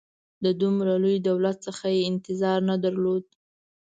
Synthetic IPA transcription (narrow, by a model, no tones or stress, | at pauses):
d̪əd̪umɾalujd̪awlat̪̚səxajeɪnt̪ɪzɑɾnad̪aɾlod̪